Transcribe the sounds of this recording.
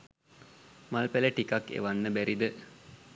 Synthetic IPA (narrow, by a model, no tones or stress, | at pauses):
malpæləʈikakːḛʋanːəbæɾid̪ə